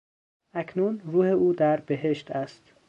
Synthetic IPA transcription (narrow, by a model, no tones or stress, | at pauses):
ækʰnuːnruːheuːd̪æɾbeɦeʃt̪æst̪